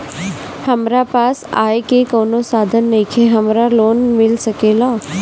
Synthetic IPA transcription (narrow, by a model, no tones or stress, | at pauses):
hɐmɾapaːsa̰ːekekoːnosaːd̪ʱənːikʰeɦɐmɾaloːnmɪlsɐkeːlaː